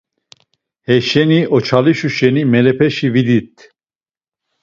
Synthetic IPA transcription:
hɛʃɛniʔɔt͡ʃʰaliʃuʃɛnimɛlɛpʰɛʃivid̪it̪̚ʰ

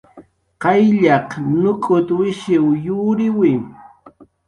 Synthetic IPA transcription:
qɑjʎɑqnʊkʼʊt̪wɪʃɪwjʊːɾɪwɪ

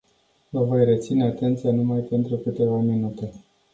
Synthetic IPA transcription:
vəvo̞jre̞t̪sine̞at̪e̞nt̪sijanumajpe̞nt̪ɾukɨt̪e̞vaminut̪e̞

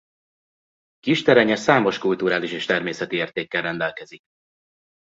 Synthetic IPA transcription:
kiʃt̪ɛɾɛɲɛsaːmo̞ʃkult̪uɾaːliʃeːʃt̪ɛrmeːsɛt̪ieːrt̪eːkːɛrːɛnd̪ɛlkɛzik

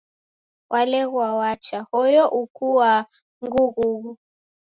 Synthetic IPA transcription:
wʔalɛɣwawat͡ʃahɔjɔʔukuwa | ŋɡuɣuɣu

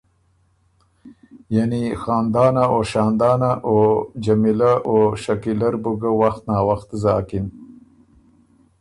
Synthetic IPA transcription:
janixɑːnd̪ɑːnaoʃɑːnd̪ɑːnaʔod͡ʒamilaʔoʃakilaɾbuɡawaxt̪nɑːwaxt̪zɑːkin

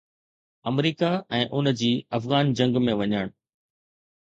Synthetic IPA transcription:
ɐmɾiːkaɛ̃ːʔʊnd͡ʑiːɐfɣaːnd͡ʑɐ̃ŋɡmẽʋɐɲəɽ̃

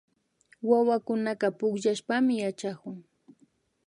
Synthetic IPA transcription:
wawakʊnaɢɑpʊkʎaʃpamɪjat͡ʃakʊŋ

